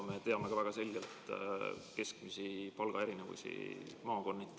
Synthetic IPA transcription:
met̪e̞ɑme̞kɑvæɡ̥ɑse̞lʲɡ̥e̞lt̪ | ke̞skmisipɑlɡ̥ɑe̞ɾine̞vṵsḭmɑːko̞nːit̪ːˑ

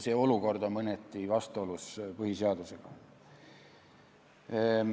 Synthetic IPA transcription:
se̞o̞luko̞rd̪o̞nmɤnet̪ːˑivɑst̪uo̞luspɤhiseɑd̪use̞ɡ̥ɑ

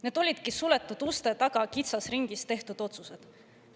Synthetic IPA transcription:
ne̞ːd̪o̞lʲid̪̥kisule̞t̪ːˑud̪̥ust̪e̞t̪ɑɡ̥ɑkit̪sɑsriŋɡ̥ist̪e̞ht̪ud̪̥o̞t̪suse̞d̪̥

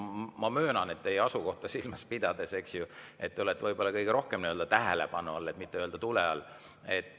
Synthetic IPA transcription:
mɑmøːnɑne̞t̪ːejɑsuko̞ht̪ɑsilmɑspid̪̥ɑd̪̥e̞se̞ksjue̞t̪ːeolet̪ːvɤjbo̞lːɑkɤjɡ̥eɾo̞hke̞mniø̞ld̥̪ɑt̪æɦele̞pɑnuɑlːet̪ːˑmit̪ːˑeøld̪ɑt̪uleɑl | et̪ː

